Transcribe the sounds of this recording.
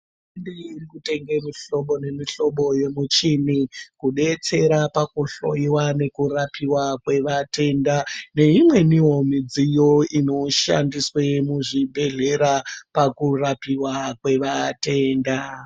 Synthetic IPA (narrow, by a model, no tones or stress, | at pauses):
indiirikute̞ŋɡe̞miɬo̞ɓo̞ne̞miɬo̞ɓo̞je̞mut͡ʃinikuɗe̞t͡se̞ɾapakuɬo̞̰jiwane̞kurapiwakwe̞ʋate̞ndane̞imwe̞niɦo̞mid͡zijo̞ino̞ʃa̰ndiswe̞muʐibʱe̞ɮe̞ɾapakurapiwakwe̞ʋate̞ːnda